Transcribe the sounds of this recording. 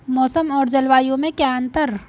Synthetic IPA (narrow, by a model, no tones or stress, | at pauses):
mɔːsəmɔːɾd͡ʒɐlwaːjõmẽkjaə̃nt̪əɾ